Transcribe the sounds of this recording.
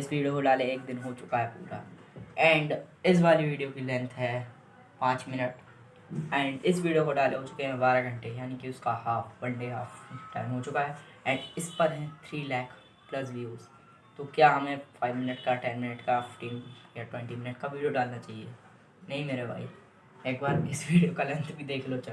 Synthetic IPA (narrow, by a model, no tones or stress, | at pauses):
ɪsʋiːɖijokoɖaːleeːkd̪ɪnɦoːt͡ʃʊkaɦɛpṵːɾa̰ | ɛ̃ːɳɖɪs̬ʋaːliʋiːɖijokilɛ̃nt̪ʰɦɛː | pãːt͡ʃmɪnəʈ | ɛ̃ːɳɖɪsʋiːɖijokoɖaːleɦoːt͡ʃʊ̥keɦɛ̃baːɾaɡʱɐ̃ɳʈejaːnikiʊskahaːfbɐ̃ɳɖeɦaːfʈa̰ːɪmɦot͡ʃʊkaɦɛ | ɛ̃ːɳɖɪspɐɾɦɛ̃t̪ʰɾiːlɛːk | plɐs̬ʋiuːz | t̪okjaːɦɐmẽfʰaːɪʋmɪnəʈkaʈɛ̃nmɪnəʈkafɪfʈiːnjaʈwɛ̃ɳʈimɪnəʈkaʋiːɖijoɖaːlnat͡ʃaːɦie | nɐɦĩmeːɾebʱa̰ːi | eːkbaːɾɪsʋiːɖijokalɛ̃nt̪ʰbʱid̪eːkʰlot͡ʃɐ